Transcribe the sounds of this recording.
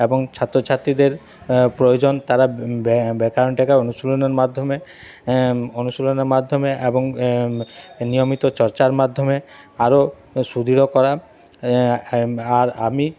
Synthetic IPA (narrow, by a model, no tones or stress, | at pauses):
eboŋt͡ɕʰat̪ːɾot͡ɕʰat̪ɾid̪eɾ | pɾojod͡ʑont̪aɾabbekaɾonʈɛkaonuʃuloneɾmad̪ʱːome | onusuloneɾmad̪ʱːomeʔeboŋ | nijomit̪ot͡ɕɔɾt͡ɕaɾmad̪ʱːome | aɾo | sud̪ʱiɾokɔɾa | aɾami